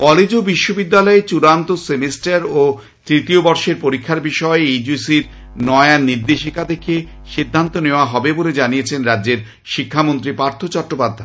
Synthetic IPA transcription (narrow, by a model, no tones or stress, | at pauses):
kɔled͡ʑobiʃːobid̪ːalɔet͡ɕuɾant̪osemesʈaɾo | t̪ɾit̪iobɔɾʃeɾpoɾikʰːaɾbiʃɔeed͡ʑusiɾ | nɔeanːiɾd̪eʃikad̪ekʰːe | ʃid̪ʱːant̪oneoaɦɔbeboled͡ʑanijet͡ɕʰenɾadd͡ʑeɾ | ʃikʰːamont̪ɾipaɾt̪ʰot͡ɕɔʈːopad̪ʱːae